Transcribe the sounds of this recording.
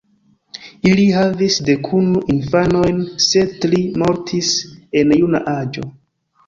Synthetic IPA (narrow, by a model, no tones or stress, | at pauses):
ilihavisde̞kʰunuʔinfano̞jnse̞tlimo̞ɾtʰise̞njuna̰ʔad͡ʒo̞̰